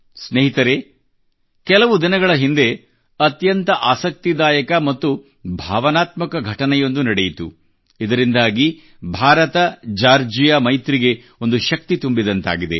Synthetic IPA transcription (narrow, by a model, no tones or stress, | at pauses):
sneːɦit̪ɐɾe̞ | kɛlɐʋud̪inɐɡɐɭɐɦind̪e̞ | ɐt̪jɐnt̪ɐʔaːsɐk̚t̪id̪aːjɐkɐmɐt̪ːu | bʱaːʋɐnaːt̪mɐkɐɡʱɐʈɐnɛjo̞nd̪unɐɽejit̪u | id̪ɐɾind̪aːɡi | bʱaːɾɐt̪ɐd͡ʒaːɾd͡ʒijamɐjt̪ɾiɡe̞ | o̞nd̪uʃɐk̚t̪it̪umbid̪ɐnt̪a̰ːɡid̪e̞̰